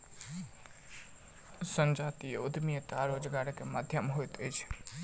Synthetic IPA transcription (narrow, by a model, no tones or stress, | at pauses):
sə̃nd͡ʒat̪ieud̪ʱmiət̪aɾod͡ʒɡaɽkemad̪ʱjəmɦojt̪əjt͡ʃʰ